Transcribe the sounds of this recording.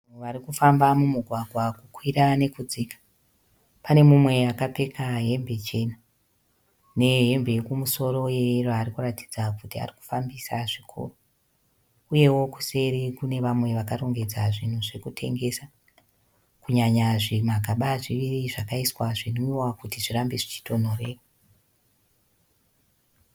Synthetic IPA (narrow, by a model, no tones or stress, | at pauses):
oʋaɾikufambamumuɡʱwaɡʱwakukwiɾane̞kud͡zikḁ | pane̞mumwe̞akape̞kʰaɦe̞mbe̞t͡ʃe̞na | ne̞ɦe̞mbe̞kumuso̞ɾo̞jeroarikurati̥d͡zakutia̰riku̥fambisaʐikʰo̰ro | uje̞wo̞ku̥se̞ɾekune̞ʋamwe̞ʋakaro̞ŋɡe̞d͡zaʐin̤uʐe̞kutʰe̞̰ŋɡe̞sa | kuɲaɲaʐimaɡʱaɓaʐiʋiriʐakaiswaʐinoiwakutiʐirambiʐit͡ʃi̥tʰo̞n̤o̞re̞ːka